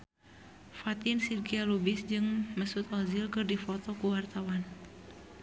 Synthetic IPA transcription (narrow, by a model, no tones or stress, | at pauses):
fat̪ɪnsidkialubɪsd͡ʒɨŋməsut̪ɔzilkɨrdifɔt̪ɔkuwart̪awan